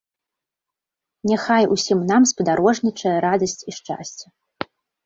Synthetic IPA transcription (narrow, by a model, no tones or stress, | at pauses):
nʲɛxajṵsʲimnamspɐd̪aɾɔʐnʲit͡ʂɐjɐɾad̪ɐsʲt͡sʲiʂt͡ʂa̰sʲt͡sʲɛ